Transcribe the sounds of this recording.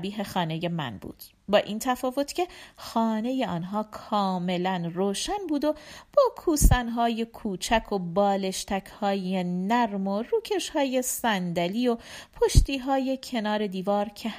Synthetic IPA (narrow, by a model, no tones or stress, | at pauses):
biːɦe̞xɒːne̞je̞mæ̰nbṵːd̪̥ | bɒːʔiːnt̪ʰæfɒːvo̞t̪ʰcʰe̞xɒːne̞je̞ɒːnɦɒːkʰɒːme̞lænroːʃænbuːd̪o̞b̥ɒːkʰuːsænɦɒːje̞kʰuːt͡ʃʰækʰo̞bɒːle̞ʃt̪ʰæcʰhɒːje̞næɾmo̞ruːcʰe̞ʃhɒːje̞sænd̪æliːo̞pʰoʃt̪iːɦɒːje̞cʰe̞nɒːɾe̞d̪iːvɒːɾcʰe